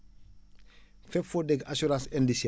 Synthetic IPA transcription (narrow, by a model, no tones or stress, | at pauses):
fɛfodɛɡasuɾãsɛndis